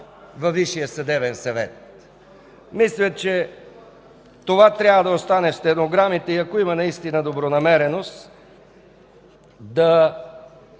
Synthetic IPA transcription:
vɐviʃijəsɐd̪ɛbɛnsɐvɛ̰t̪̚ | mislʲət̪t͡ʃɛ | t̪ovat̪ɾʲjabvɐd̪ɐost̪anɛfst̪ɛnoɡɾamit̪ɛiɐkoimɐnɐist̪inɐd̪obɾonɐmɛɾɛnos | d̪ɐ

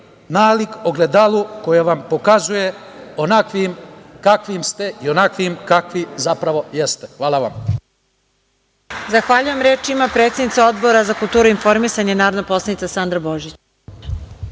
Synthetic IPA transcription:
naːlikoɡled̪alukojaʋampo̞kazujeonakʋimkakʋimst̪e̞ionakʋimkakʋizapɾaʋo̞jest̪exʋaːlˠaʋa̰m | zaxʋaʎujemɾeːt͡ʃimapɾet̪sed̪nit̪sao̞d̪bo̞ɾazakulˠt̪uːɾuinfo̞ɾmisaɲenaːɾod̪napo̞slˠanit̪sasand̪ɾabo̞ʒit͡ɕ

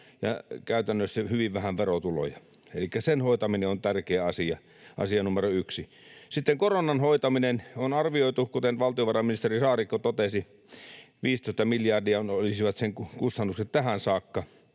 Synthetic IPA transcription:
jɑ̰kæˑyt̪ænːøsːæhyʋiʋʋæhæʋʋerot̪ulo̰jɑ | elikːæsenhoˑit̪ɑmineont̪ærkeːɑsiɑ | ʔɑ̰siɑnumeroyksi | sit̪ːeŋkoronːˑɑnhoˑit̪ɑminenonɑrʋioˑit̪ukut̪enʋɑlt̪ioʋɑrɑminist̪erisɑːrikːot̪ot̪esi | ʋiːst̪oˑist̪ɑmiljɑrdiɑnolisiʋɑt̪seŋkukust̪ɑnːukset̪t̪æhænsɑːkːɑ

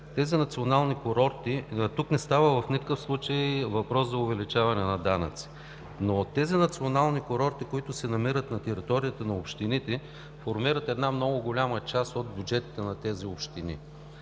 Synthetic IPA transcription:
t̪ɛzinɐt̪sionalˠnikoɾɔɾt̪it̪uknɛst̪avəvɐfnikəkəfslˠut͡ʃəjvɐpɾɔszɐʊvɛlit͡ʃavɐnɛnɐd̪anɐ̰t̪si̥ | not̪ɛzinɐt̪sionalˠnikoɾɔɾt̪ikʊit̪ʊsɛnɐmiɾət̪nɐt̪ɛɾit̪ɔɾijət̪ənɐopʃt̪init̪ɛ | foɾmiɾət̪ɛd̪namnɔɡʊɡʊlʲamət͡ʃast̪od̪̚bʲjud͡ʒɛt̪i̥t̪ɛnɐt̪ɛziopʃt̪inḭ

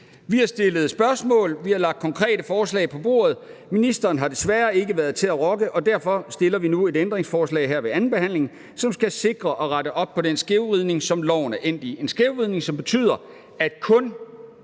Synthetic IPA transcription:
ʋihɑ̈sd̥e̝ləð̞̩ˠsb̥ɶɐsmɔ̰̽ːlʋihɑ̈lɑ̈ɡ̥̚d̥̚kʰɒ̽ŋkʰʁɛ̰ːd̥əfɒːslɛ̰ɪpʰɒ̽b̥o̝ːɐð̩ˠ | minisd̥ɐːnɦɑ̈d̥e̝sʋæɐe̝ɡəʋæɐð̩ˠt͡sʰe̝læʁɒ̽ɡ̥əʔɒ̽d̥æɐ̰fɒ̽sd̥e̝lɐʋinue̝d̥end̥ʁeŋsfɒːslɛ̰ɪɦeɐ̰ʋe̝ænn̩b̥e̝hæn̰le̝ŋ | sɒ̽msɡ̥æse̝ɡ̥ʁɐʔɒ̽ʁɑɾəʔɒ̽b̥̚pʰɒ̽densɡ̥eʊʁiðˠne̝ŋsɒ̽mlɒ̰ʊ̰nəʔen̰d̥ie̝nsɡ̥eʊʁiðˠne̝ŋsɒ̽mb̥e̝t͡sʰy̰ːð̰ˠɐ | æd̥̚kʰɔ̽n

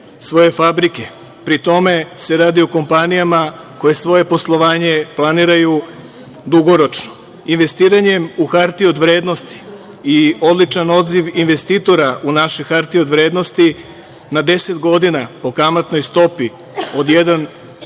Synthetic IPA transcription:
sʋo̞je̞fabɾike̞ | pɾit̪o̞me̞se̞ɾaːd̪ioko̞mpanijama | ko̞je̞sʋo̞je̞po̞slˠo̞ʋaːɲe̞plˠaniːɾaju | d̪uɡo̞ɾo̞t͡ʃno̥ | inʋe̞st̪iːɾaɲe̞muxaɾt̪io̞d̪ʋɾe̞ːd̪no̞st̪i̥ː | o̞d̪lit͡ʃano̞d̪ziʋinʋe̞st̪iːt̪o̞ɾaʔunaʃexaɾt̪iod̪ʋɾe̞ːd̪no̞st̪i | nad̪e̞se̞t̪ɡo̞d̪inapo̞kamat̪no̞jst̪o̞pi | o̞d̪jed̪an

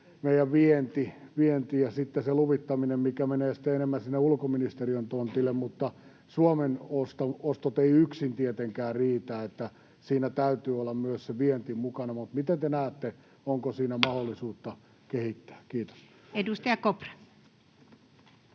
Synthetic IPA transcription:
meijæʋʋient̪iʋient̪ijɑsit̪ːeseluʋit̪ːɑminemmikæmeneːsi̥t̪ːˑeenemːænsinːeulkominist̪eriønt̪ont̪ilːemmut̪ːɑ | suomenost̪ɑost̪ot̪eiyksint̪iet̪eŋkæːriːt̪æːet̪ːæ | siːnæt̪æyt̪yːolːɑmmyøsseʋient̪imukɑnɑmut̪mit̪ent̪enæːt̪ːe | oŋkosiːnæmɑholːˑisuːt̪ːɑ | kehit̪ːæ̥ːkkiːt̪o̥s | edust̪ɑjɑkopre

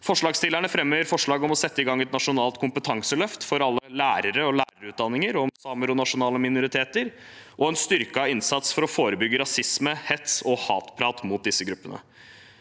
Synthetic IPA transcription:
fɔʂɭɑːɡst̪ɪlæɳəfɾɛmhœːəɾfɔʂɭɑːɡɔmɔsɛt̪ːəɪɡɑŋːɛt̪nɑʂʊnɑːlt̪kʰʊmpət̪ʰɑŋsəlœft̪fɔɾɑlːəlæːɾəɾəɔlæːɾəɾʉːt̪̚d̪ɑnːɪŋəɾɔmsɑːməɾɔnɑʂʊnɑːləmɪnʊɾɪt̪ʰeːt̪əɾ | ʔɔɛnst̪ʏɾkəɑʋɪnsɑt̪sfɔɾɔfoːɾəbʏɡəɾɑsɪsməhɛt̪sɔhɑ̰ːt̪pʰɾɑːt̪mʊt̪̚d̪ɪsːəɡɾʉpːənə̰

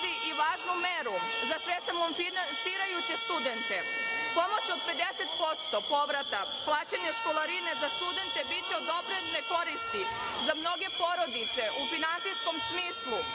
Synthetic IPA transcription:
iʔiʋaːʒnumeɾuzasʋesamominansiːɾajut͡ɕe̞st̪ud̪e̞nt̪e̞po̞mo̞t͡ɕo̞d̪pe̞d̪e̞se̞t̪po̞t̪st̪opo̞ʋɾat̪a | plˠaːt͡ɕeɲeʃko̞lˠaɾinezast̪ud̪e̞nt̪ebit͡ɕeod̪o̞pɾedeneko̞ɾist̪i | zamno̞ɡe̞po̞ɾo̞d̪it̪se̞ʔufinansijsko̞msmiːslˠu

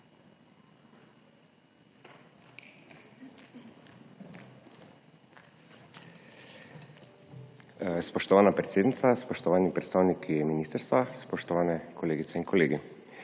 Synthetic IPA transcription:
spɔʃt̪ɔʋaːnapɾɛt̪seːd̪nit̪saspɔʃt̪ɔʋaːnipɾɛt̪st̪aːwnikʰiminiːst̪əɾst̪ʋaspɔʃt̪ɔʋaːnɛkʰɔleːɡit̪sɛinkʰɔleːɡi

